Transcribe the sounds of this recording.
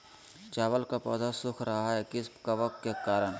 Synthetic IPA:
t͡ʃaːʋəlkapɔ̰ːd̪asʊkʰɾɐɦaɦɛkɪskaʋək̚t̪kekaːɾəɽ̃

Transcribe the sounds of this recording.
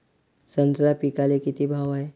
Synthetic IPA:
sənsɾapikalekit̪ibʱaʋae

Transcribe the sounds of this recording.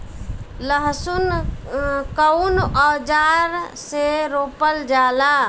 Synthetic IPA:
ləɦsun | kənɔːd͡ʒaɾseɾoːpəld͡ʒaːla

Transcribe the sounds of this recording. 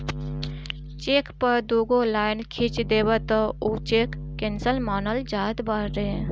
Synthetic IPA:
t͡ʃeːkpəɾd̪oːɡõlaːɪnkʰit͡ʃd̪eːbət̪əut͡ʃeːkːensəlmaːnəld͡ʒaːd̪baɾɾe

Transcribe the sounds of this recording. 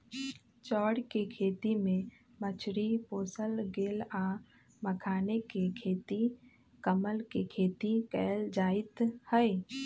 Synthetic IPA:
t͡ʃɔːɽkekʰeːt̪imẽ | mət͡ʃʰɾipoːsəlɡeːlaː | məkʰaːnekekʰeːt̪i | kəməlkekʰeːt̪ikɛːld͡ʒaːɪt̪hɛe

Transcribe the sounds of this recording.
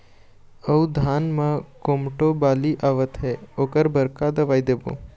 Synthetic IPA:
əud̪ʱaːnmãkomʈobaːliʔaʋət̪ɦɛokəɾbəɾkad̪əʋaːjd̪ebo̰

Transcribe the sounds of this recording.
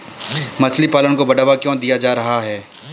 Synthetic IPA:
mɐt͡ʃʰlipaːlənkobɐɖaːʋakjɔ̃ːd̪ijad͡ʒaːɾɐɦaɦɛː

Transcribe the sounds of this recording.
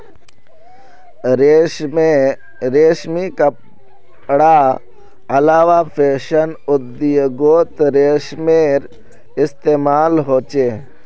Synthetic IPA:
ɾeːʃmikə | ɽa | əlaːʋapʰeːʃənʊd̪ijɡoːt̪ɾeːʃmeɾ | ɪst̪eːmaːlɦoːt͡ʃeː

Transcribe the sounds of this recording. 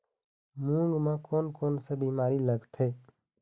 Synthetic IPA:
mũːŋɡmãkoːnkoːnsebiːmaːɾiləɡt̪ʰeː

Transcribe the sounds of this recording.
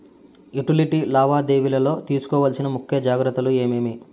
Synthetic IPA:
iʈiliʈilaːʋaːd̪eːʋilɐlo̞ːt̪iːsu̥kɔːʋaːlsinɐmukʰːjɐd͡ʒaːɡɾɐt̪ːɐlue̞ːmeːmi

